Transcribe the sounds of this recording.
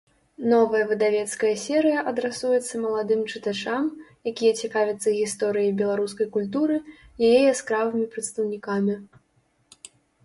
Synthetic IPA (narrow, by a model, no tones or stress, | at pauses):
nɔvɐjɐvɨd̪avʲɛt̪skɐjɐsʲɛɾɨjɐʔɐd̪ɾɛsujɛt̪sːɐmɐlˠad̪ɨmt͡ʂɨt̪at͡ʂamjakʲijɐt͡sʲɛkavʲɐt̪sːɐɣʲist̪ɔɾɨjɐjbʲɛlˠaɾuskɐjkulʲt̪̬uɾɨjajɛjɐskɾavɨmʲipɾɐt̪st̪ɐwnʲikamʲi